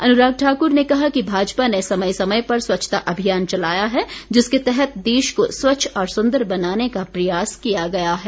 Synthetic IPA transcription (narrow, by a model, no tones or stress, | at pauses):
ɐnʊɾaːɡ̚ʈʰaːkʊɾnekɐɦakibʱaːd͡ʒpanesɐməjsɐməjpɐɾswɐtːt͡ʃʰːt̪aʔɐbʱijaːnt͡ʃɐlaːjaɦɛd͡ʒɪsket̪ɛɦɛt̪̚d̪eːʃkoswɐtːʃʰɔːɾsʊ̃nd̪əɾbɐnaːnekapɾɐjaːskijaɡɐjaɦɛː